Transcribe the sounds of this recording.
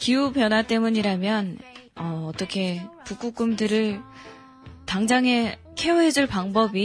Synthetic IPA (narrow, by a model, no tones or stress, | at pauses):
kiupjʌnwat͈e̞muɲiɾamjʌnʌːt͈ʌkʰe̞puk͈uk͈umdɯɾɯɭ | taŋd͡ʑaŋɦe̞ | kʰe̞oɦe̞d͡ʑuɭpaŋbʌbi